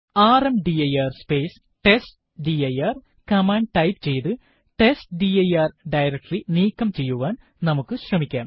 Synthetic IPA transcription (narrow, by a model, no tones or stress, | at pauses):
aːrɐmɖiɐjaːrspe̞ːs | ʈesʈ | ɖiɐjaːr | kɐmaːɳɖ̚ʈɐjpt͡ɕe̞jt̪ɨ | ʈesʈɖijɐjaːrɖɐjɾɐk̚ʈriniːkːɐmt͡ɕe̞jːuʋaːn | nɐmukːɨɕrɐmikʲːaːm